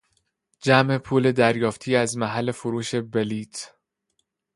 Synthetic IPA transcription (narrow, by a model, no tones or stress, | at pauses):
d͡ʒæmʔe̞pʰuːle̞d̪æɾjɒːft̪ʰiːæzmæɦælːe̞foɾuːʃe̞beliːt̪ʰ